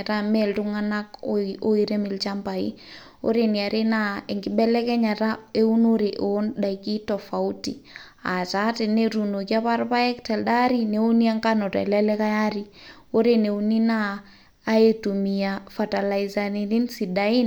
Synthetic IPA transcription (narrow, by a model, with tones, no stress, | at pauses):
tamɛltʊŋa˦na˦ko˦iɾe˦mɪ˨lt͡ʃa˦mba˨ḭ˦ | o̰˦ɾeni˨a˨ɾe˦na˦e˨ŋɡɪ˦bɛ˦lɛ˦kɛ˦ɲa˨ta˦e˦u˦noɾeʔo˦nɗa˨iki˦tɔfa˨utḭ˨ | a̰˨t͡ʃa˦tɪ˨ne˦ɾu˨no˨ki˦a˦pa˦rpa˦ɛ˦ktɛ˨lɗa˦ɾine˨u˦ni˦a˦ŋkano˨ta̰˨lɛlɛ˦ka˦jaɾi˦ | o˦ɾene˨uni˦naː˦ | etumi˨a˨fa˨ta˨la˨iza˨nini˦nsida˨i˦n